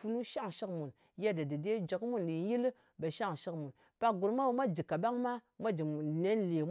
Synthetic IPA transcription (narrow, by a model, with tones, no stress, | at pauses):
fu˦nu˦ʃa˦ŋʃi˦kmu˨n | ja˦da˨di˨de˦d͡ʒə˨kmu˦ndi˨˦ji˦l | bə˨ʃa˦˨ŋʃi˦kmu˨n | pa˦˨ɡu˨ɾmʷa˦wmʷa˦d͡ʒi˨ka˨ɓa˦ŋma˦ | mʷa˦d͡ʒi˨ne˦nle˨m